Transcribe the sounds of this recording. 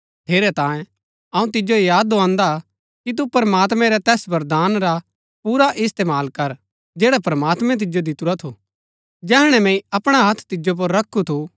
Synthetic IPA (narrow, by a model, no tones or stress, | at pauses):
t̪ʰeːɾɛt̪ãːjẽ | ɐũt̪̬ɪd͡ʒoijaːd̪ːoãːnd̪a | kit̪̬upɐɾəmaːt̪mɛ̃ɾɛt̪ɛːsbɐɾd̪aːnɾa | puːɾaʔɪst̪eːmaːlkɐɾ | d͡ʒeːɽapɾɐmaːt̪mɛ̃t̪̬ɪd͡ʒod̪ɪt̪uɾat̪ʰo | d͡ʒɛːɦɽ̃ɛ̃mɛ̃ĩɐpɽ̃aɦɐt̪ʰt̪ɪd͡ʒop̬ɐɾːɐkʰːut̪ʰu